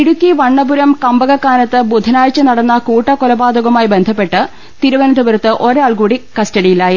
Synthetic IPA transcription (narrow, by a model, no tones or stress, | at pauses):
iɽukːiʋɐɳːɐbuɾɐmkɐmbɐɣɐkːaːnɐt̪ːɨbud̪ʱːɐnaːjt͡ɕːɨnɐɽɐnːɐkuːʈːɐkolɐbaːd̪uɣɐmaːjibe̞nd̪ʱɐpːe̞ʈːɨ | t̪iɾuʋɐnɐd̪ɐʋɐɾɐt̪ːɨʔo̞ɾeaːɭkuːɽikɐstɐɽijilaːji